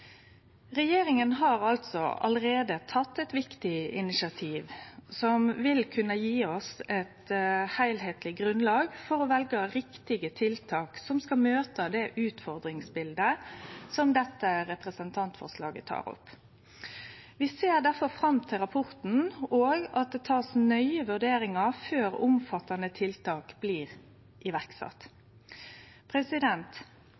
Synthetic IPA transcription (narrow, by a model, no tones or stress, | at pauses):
ʁɛjeːɾɪŋənɦɑːɾɑlt̪sɔ̰ɑ̰ləɾeːd̪ət̪ʰɑt̪ːɛt̪ʋɪkt̪ɪɪnɪsɪɑt̪ʰiːʋsɔmʋɪlkʰʉnːəjiːɔsɛt̪hæɪlɦeːt̪lɪɡʁʉnlɑːɡfɔɾɔʋɛlɡəɾɪkt̪ɪɡət̪ʰɪlt̪ʰɑːksɔmskɑmøːt̪əd̪ɛʔʉːt̪fɔʁd̪ɾɪŋsbɪld̪əsɔmd̪ɛt̪ːəɾɛpʁəsənt̪ʰɑnt̪fɔ̰ʁʂlɑ̰ːɡət̪ʰɑ̰ːʁʊ̰p | ʋɪseːʁd̪æʁfɔɾfʁɑmt̪ʰɪlʁɑpʰʊʁt̪n̩oːɡɑt̪̚d̪ɛːt̪ʰɑːsnœʏəʋʉɖ̪eːɾɪŋɑføːɾʊmfɑt̪ːɑnət̪ʰɪlt̪ʰɑːkb̥liːʁ | ʔɪʋæʁksɑ̰t̪ | pʰʁɛsɪd̪ɛnt̪